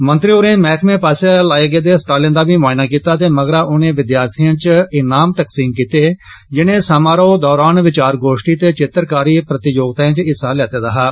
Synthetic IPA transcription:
mə̃nt̪ɾioːɾẽːmɛːkʰmẽːpaːsaːlaːeːɡeːd̪eːsʈaːlɪjə̃nd̪aːbiːmaːɪnaːkiːt̪aːt̪eːməɡɾaːʔʊnẽːʋɪd̪jaːɾt̪ʰijãːt͡ʃɪnaːmt̪əksiːmkiːt̪eː | d͡ʒɪnẽːsamaːɾoːd̪ɔːɾaːnʋɪt͡ʃaːɾɡoːʃʈiːt̪eːt͡ʃɪt̪əɾkaːɾiːpɾət̪ɪjoːɡt̪aːãːt͡ʃɪsaːlɛːt̪eːd̪aɦaː

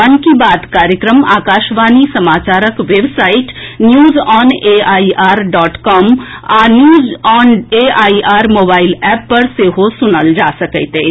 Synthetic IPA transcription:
ənkibaːd̪kaːɾjəkɾəma̰ːkaːʃʋaːnisɐmaːt͡ʃaːɾəkʋeːbsaːɪʈnjuːzɔːneːaːiʔaːɾɖɔːʈkɔːmaːnjuːzɔːneːaːiaːɾmoːbaːɪlɛːpːɐɾseːɦosʊnəld͡ʒaːsɐkət̪eː

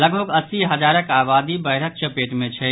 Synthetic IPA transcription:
ləɡbʱəɡəsiɦɐd͡ʒaːɾəkaːbaːd̪ibəɪɾək̚t͡ʃəpeːʈmẽt͡ʃʰɛ

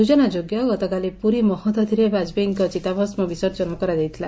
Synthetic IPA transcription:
d̪ud͡ʒɔnad͡ʒoɡjaoɡɔt̪ɔkalipuɾimɔhɔt̪ɔd̪ʱiɾebad͡ʒbiŋkɔt͡ʃit̪abʱɔsmɔbisɔɾt͡ʃɔnɔkɔɾad̪ejt̪ʰila

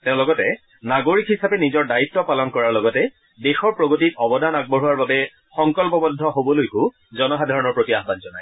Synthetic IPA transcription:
teʊ̃lɔɡɔtɛ | naɡoɹikɦhisapɛnizɔɹdaitːɔpalɔnkɔɹaɹlɔɡɔtɛ | dexɔɹpɹoɡotitɔbɔdanaɡ̚bɔɹuwaɹbabɛ | xɔŋkɔlpɔbɔdʱːɔɦobɔlojkʊ | zɔnɔxadʱaɹɔnɔɹpɹotiaxbanzɔnaj

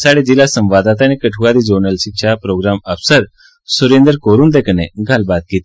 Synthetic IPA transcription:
saɽed͡ʑilasə̃mʋad̪at̪anekəʈʰuʋaɾid͡ʑonəlɕiɕʰapɾoɡɾaməfsəɾ | suɾend̪əɾkoɾuːnd̪ekəneɡʱalbat̪̚kit̪

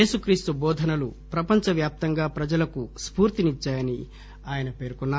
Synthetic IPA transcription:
eːsukɾiːst̪ubɔːd̪ʱɐnɐlupɾɐpɐɲt͡ʃɐʋjaːp̚t̪ɐŋɡaːpɾɐd͡ʒɐlɐkuspuːɾt̪init͡ʃːaːjɐni | aːjɐnɐpe̞ːɾkunːaː

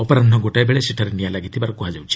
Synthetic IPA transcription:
ɔpɔɾanɔɡoʈajbeɭesiʈʰɔɾenijalaɡit̪ʰibaɾɔkuɦad͡ʒawt͡ʃʰi̥

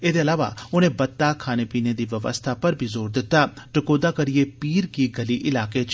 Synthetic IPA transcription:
eːd̪eɐlaːʋa̰ʊnẽːbɐt̪ːaːkʰaːneːpiːned̪iːʋəʋə̰st̪ʰapəɾbʱiːzoːɾd̪ɪt̪ːaʈɪkoːd̪akɐɾieːpiːɾkiɡɐliːʔɪlaːket͡ʃ

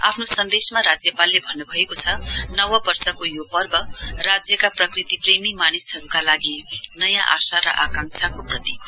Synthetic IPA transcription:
a̰pʰnosʌnd̪esmaɾad͡zjʌpalːebʱʌnːubʱʌekot͡sʰʌnʌwʌbʌrsʌkojopʌrbʌrad͡zjʌkaprʌkrit̪ipremimanisʌɾukalaɡinʌjãʔasaɾʌ̰ʔakãŋsakoprʌt̪ikʰ

